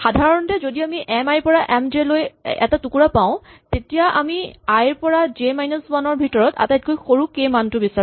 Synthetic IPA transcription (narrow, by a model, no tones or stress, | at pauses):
xadʱaɹɔntɛzodiamiʔɛmajpɔɹaʔɛmd͡ʒelojɛ̰tatukuɹapãʊ̃tetijaʔamiajɹpɔɹad͡ʒemajnɔswanɔɹbʱitɔɹɔta̰tajt̚kojxoɹukemantʊbisa